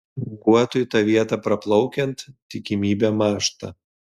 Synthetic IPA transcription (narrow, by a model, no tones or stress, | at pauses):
ɡuɔt̪ʊjt̪ɑːʋʲiɛt̪ɐpɾɐplˠɒʊkʲɛnt̪t̪ʲːɪkʲɪmʲiːbʲɛːmɑːʃt̪ɐ̰